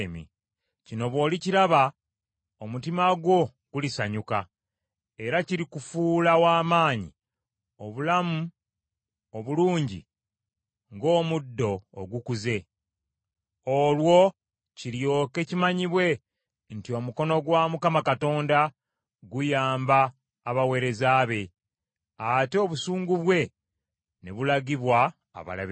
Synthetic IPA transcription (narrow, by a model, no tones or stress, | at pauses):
mḭ | cino̞βwo̞ːliciɾaβa | omutimaɡwo̞ | ɡ̥ulisaɲuka̰ | e̞ɾaciɾikufuːlawaːmaːɲḭ | o̞βulamu | oβuluːɲɟḭ | ŋɡo̞ːmudːo̞̰ːɡukuze̞ | olwo̞ | ciljo̞ːke̞cimaɲiβwe̞ | ntio̞muko̞no̞ɡwamukamakato̞ːnda | ɡujaːmbaː | βawe̞ːɾe̞zaːβe̞ | ateːβusuːŋɡuβwe̞ | ne̞̰βulaɡiβwa̰ː | βa̰la̰β